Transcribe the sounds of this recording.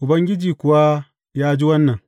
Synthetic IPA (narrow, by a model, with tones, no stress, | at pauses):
ʔʊ˨bɐ˦ŋɡʲɪ˦d͡ʒiː˨kʷʊ˨wa˦ | jaː˦d͡ʒi˦wɐ˦nːɐ˨ŋ